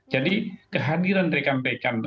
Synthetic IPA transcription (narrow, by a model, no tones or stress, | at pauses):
d͡ʒadikəɦadiɾanɾekambekan